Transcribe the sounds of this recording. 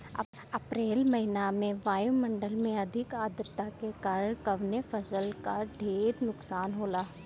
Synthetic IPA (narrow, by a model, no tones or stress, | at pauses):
ɐpɾeːlmɐɦɪnamẽʋaːjumə̃ɳɖəlmẽɐd̪ʱɪkaːd̪ɾt̪akekaːɾəɽkɐʋnefʰɐsəlkaɖʱeːɾnʊksaːnɦoːlaː